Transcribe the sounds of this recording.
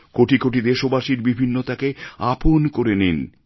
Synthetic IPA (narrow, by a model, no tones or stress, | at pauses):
koʈikoʈ̬id̪eʃobaʃiɾbibʱinːot̪akeaponkoɾenin